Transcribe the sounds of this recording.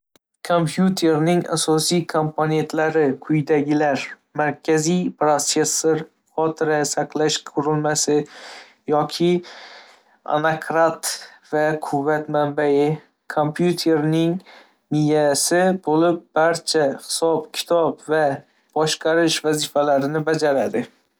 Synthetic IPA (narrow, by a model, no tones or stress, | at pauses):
kʰompʰjut̪ʰe̞ɾnɪŋa̰sɒsijkʰompʰone̞nt̪ʰlaɾɪkʰʊjd̪aɡʲɪlaɾ | maɾkʲʰazijpɾose̞sːoɾ | χɒt̪ʰɪɾasaqlˠaʃkʰʊɾɪlmasɪ | jɒkʲʰɪ | a̰nakʰɾat̪vakʰʊvːat̪mambajɪ | kʰompʰjut̪ʰe̞ɾnɪŋ | nɪjasɪbolɪp̚b̥aɾt͡ʃʰahɪ̥sɒpkʲʰɪ̥t̪ʰɒbva | b̥ɒʃqʰɑɾɪʃvazɪfalaɾɪnɪbad͡ʒaɾad̪ɪ